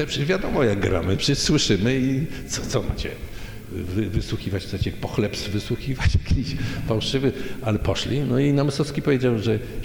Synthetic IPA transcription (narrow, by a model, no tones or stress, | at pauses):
ɛpʂɛvʲjad̪ɔmɔjaɡ̚ɡɾa̰mɨpʂɛʂswɘʂɘmɘit̪sɔt̪sɔma̰t͡ɕɛ̰ | vvɘswuxʲivat͡ɕpsat͡ɕɛpɔxlɛpsvɘswuxʲivat͡ɕjakʲʰiɕfawʂɘvɘalɛpɔʂlʲinɔinamɨsɔfskʲipɔvʲed͡ʑawʐɛ